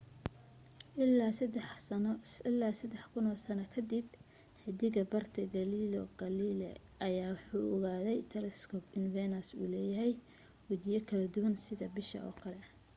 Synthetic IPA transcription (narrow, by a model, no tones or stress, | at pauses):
ɪlːaːsɐd̪ɛħkʰʊnɔːsɐnɐkʰɐd̪ib | hɛd̪ɪɣɐbɐrt̪ʰɐɡɐlilɔ̰ɡɐliːlɛ̰ | ʔɐjaːwħuːʔɔɣaːðɛjt̪ʰɛlɛskʰɔpʰɪnvɛnɐsṵːlɛːjɐɦɛj | wɐt͡ʃɪjɐkʰɐlɐd̪ʊwɐnsɪðɐbɪʃɐ̰ɔ̰ːkʰɐlɛ